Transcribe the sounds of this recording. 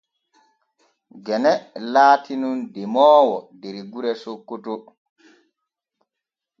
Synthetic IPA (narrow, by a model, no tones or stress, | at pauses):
ɡɛnɛlaːtʰinundɛmɔːwɔdeɾiɡuɾɛsokːoto